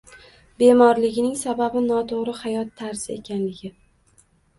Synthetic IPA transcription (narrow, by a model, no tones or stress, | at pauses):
be̞mɒɾlɪɡʲɪnɪŋsababɪnɒt̪ʰoʁɾɪhajɒt̪ʰːaɾsɪe̞̰kʲanlɪɡʲɪ